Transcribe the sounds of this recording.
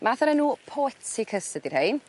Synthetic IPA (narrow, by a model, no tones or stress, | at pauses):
maθəɾɛnːuːpʰɔɛtikʰəsədirhejn